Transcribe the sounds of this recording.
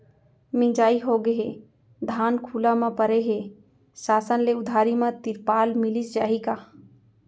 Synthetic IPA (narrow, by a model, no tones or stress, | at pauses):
mɪ̃d͡ʒaːiɦoːɡəɦe | d̪ʱaːnkʰuːlamãpəɾeɦe | saːsənleʊd̪ʱaːɾimãt̪ɪɾpaːlmɪlisd͡ʒaːɦikaː